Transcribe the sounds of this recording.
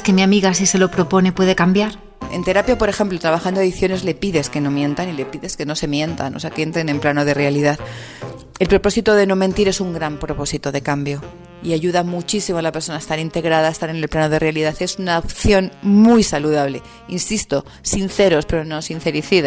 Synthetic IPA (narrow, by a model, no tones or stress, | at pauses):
skemjamiɣas̬ise̞lo̞pɾo̞po̞ne̞pwe̞ð̞e̞kambjaɾ | ḛnt̪e̞ɾapjapo̞ɾe̞xe̞mplot̪ɾaβaxand̪oaðiθjo̞ne̞zle̞piðe̞ske̞no̞mjẽ̞nt̪anile̞piðe̞skeno̞se̞mjẽ̞nt̪a̰nose̞akee̞nt̪ɾene̞mplanoðe̞realiðað | e̞lpɾo̞po̞sit̪oðe̞no̞mẽ̞nt̪iɾe̞suŋɡɾampɾo̞po̞sit̪o̞ðe̞kambjo̞ | iaʝuðamut͡ʃisimoalapeɾso̞naest̪aɾint̪e̞ɣɾaðaest̪aɾe̞ne̞lplano̞ð̞e̞realiðaθe̞sunaopθjo̞nmujsaluðaβle̞ | insist̪o̞ | sinθe̞ɾo̞spe̞ɾo̞no̞sin̟θe̞ɾiθiða